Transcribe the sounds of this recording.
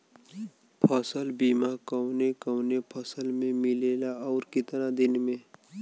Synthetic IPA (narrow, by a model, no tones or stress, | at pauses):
pʰəsəlbiːmakəwnekəwnepʰəsəlmẽmɪleːlaɔːɾkɪt̪nad̪ɪnmẽ